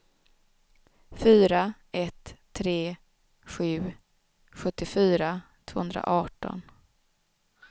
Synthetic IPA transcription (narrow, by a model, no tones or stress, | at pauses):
fyːɾa | ɛt̪ʰː | ɾeː | ɧʉ̟ː | ɧɵt̪ːɪfyːɾat̪ʰv̥oːhɵnd̪ɾa̰ʔɑːʈɔ̰n